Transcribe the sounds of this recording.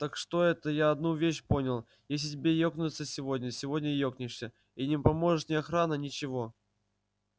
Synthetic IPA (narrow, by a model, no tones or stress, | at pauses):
t̪akʂt̪o̞ɛt̪əjaɐd̪nuvʲeɕpo̞nʲɪlˠ | jes̬ʲlʲɪtʲɪbʲejoknʲʊt̪səsʲɪvo̞dʲnʲəsʲɪvo̞dʲnʲəjoknʲɪʂsʲə | inʲɪpɐmo̞ʐɨʂnʲɪɐxɾanənʲɪt͡ɕɪvo̞